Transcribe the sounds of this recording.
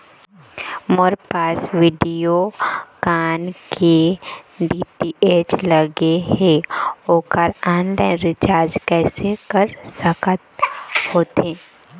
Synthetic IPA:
mɔɾpaːsʋiːɖijokaːnkʰe | ɖiːpieːt͡ʃləɡeɦẽoːkəɾaːnlaːɪnɾɪt͡ʃaːɾd͡ʒkɛːsekəɾsəkət̪hoːt̪eː

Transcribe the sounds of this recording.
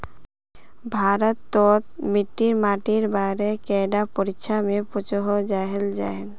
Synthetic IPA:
bʱaɾɔt̪ːɔt̪miʈːiɾmaʈiɾbaɾekɛɖapoɾikʃʰamepot͡ʃoɦod͡ʒaɦeld͡ʒa̰ɦel

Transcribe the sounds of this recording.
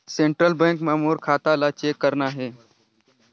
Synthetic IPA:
sẽɳʈɾəlbẽŋkmãmoːɾkʰaːt̪alat͡ʃeːkːəɾnaɦeː

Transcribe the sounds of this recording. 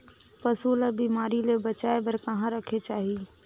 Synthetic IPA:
pɐsuːləbiːmaːɾilebɐt͡ʃaːebəɾkɐɦãɾəkʰet͡ʃaːɦi

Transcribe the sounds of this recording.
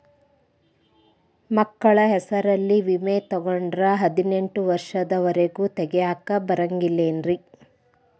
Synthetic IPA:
mɐkːɐɭɐɦɛsɐɾɐlːiʋimeːt̪ɔɡɔɳɖɾɐɦɐd̪ine̞ɳʈuʋɐɾʂɐd̪ɐʋɐɾeɡuːt̪ɛɡɛjaːkɐbɐɾɐŋɡilːeːnɾi

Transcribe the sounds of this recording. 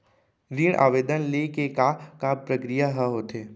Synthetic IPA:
ɾiːɽʔa̰ːʋeːd̪ənlekekakapɾəkɾijaɦəɦoːt̪eː

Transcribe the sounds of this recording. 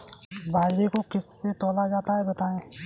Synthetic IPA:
baːlekokɪsːet̪ɔːlad͡ʒaːt̪aɦɛbɐt̪aːẽː

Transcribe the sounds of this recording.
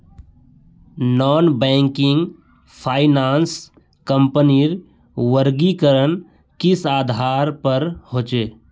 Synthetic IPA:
nɔːnbɛ̃ːŋkɪ̃ŋɡ | pʰaːɪnaːns | kə̃mpəniɾ | ʋəɾɡikəɾən | kɪsaːd̪ʱaːɾpəɾɦoːt͡ʃeː

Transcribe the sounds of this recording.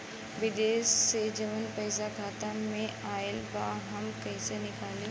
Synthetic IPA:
ʋɪd̪eːʃːed͡ʒɐʋənpɛːsakʰaːt̪amẽaːɪlbaːɦɐmkɛɪsenɪkaːlẽː

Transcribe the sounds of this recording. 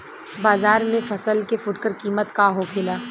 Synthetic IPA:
baːzaːɾmẽfɐsəlkefʊʈkəɾkiːmət̪kaɦokʰɪlaː

